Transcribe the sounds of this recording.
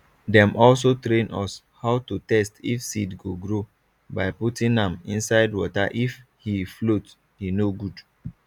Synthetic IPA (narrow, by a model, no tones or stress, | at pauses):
dɛ̃mʔɔls̬otɾẽnɔ̰s | haʊtutɛstifsidɡoɡɹo | baɪputĩnãmḭ̃nsaɪdwɔtaʔif | hiflot | hinoɡud